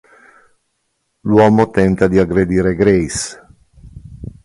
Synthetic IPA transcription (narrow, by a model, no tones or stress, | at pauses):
lwɔːmot̪ɛnt̪ad̪iaɡɾed̪iːɾeɡɾejs